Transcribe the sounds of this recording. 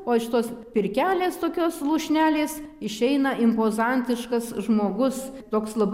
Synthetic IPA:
oːʃʲɪt̪oːspʲɪɾʲkʲæːlʲeːst̪oːkʲoːslˠuːʃʲnʲæːlʲeːsɪʃʲɛɪnɐʔɪmpoːzɑnʲt̪ʲɪʃkɐsʒmoːɡʊst̪oːkslˠɐb

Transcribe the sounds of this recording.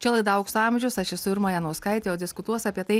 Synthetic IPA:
t͡ʃʲɛlˠɐɪd̪ɐʊksɑːmʲʒʲʊsɐʃɪsʊɪɾmɐːjɛnɔskɐɪt̪ʲeːjoːd̪ʲɪskʊt̪uɔsɑpʲiɛt̪ɐɪ

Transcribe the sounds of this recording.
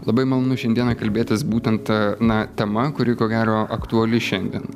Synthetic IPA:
lˠɐbɐɪmɐlˠoːnʊʃʲɛnʲd̪iɛnɐkɐlʲbʲeːt̪ʲɪsbuːt̪ʲɛnt̪nɐt̪ʲɛmɐkʊɾʲɪkoːɡʲæːɾoːʔɐkt̪uɐlʲɪʃʲɛnʲd̪ʲiɛn

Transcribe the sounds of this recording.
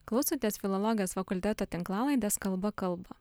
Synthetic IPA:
klˠɐʊsʲot̪ʲeːsfʲɪlˠɔlˠɔɡʲɪjoːsfɐkʊlʲt̪ʲæt̪oːt̪ʲɪŋklˠɑːlˠɐɪd̪ʲɛskɐlˠbɐkɐlˠˑbɐ

